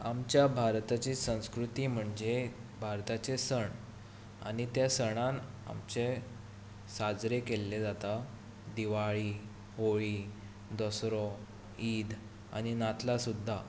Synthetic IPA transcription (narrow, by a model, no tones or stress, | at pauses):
amt͡ɕjabʱaɾt̪at͡ɕisə̃w̃skɾut̪iːm̤əɳd͡zebʱaɾt̪at͡ɕesəɳ | a̰ñit̪jasəɽ̃an | a̰mt͡ɕe | sad͡zɾekelːed͡zat̪a | d̪iʋaɭiː | oɭi | d̪ɔsɾɔ | iːd̪ | a̰ɽ̃inat̪lasud̪ʱːa